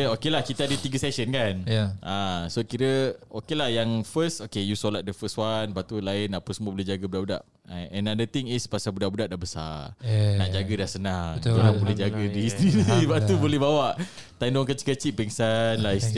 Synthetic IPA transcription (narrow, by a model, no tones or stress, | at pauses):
okelahkit̪əadət̪iɡəsɛsənkanasokiɾəokelahjaŋfəsokejusolat̪̚dəfəswanbaʔt̪ulaɪnapəsəmuəbolɛhd͡ʒaɡəbudaʔbuda̰ʔ | aɛ̃nadət̪iŋispasabudaʔbudaʔdaʔbəsa̰ | naʔd͡ʒaɡədahsənaŋoɾaŋbolɛd͡ʒaɡədisniniibaʔt̪ubolɛɦbawaʔ | t̪ajndɔŋkət͡ʃi̥kət͡ʃiʔ̚bɛŋsanlais